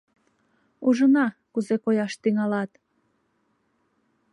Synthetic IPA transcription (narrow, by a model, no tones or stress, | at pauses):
uʒənɑkuzekojɑʃt̪yŋɑlɑt̪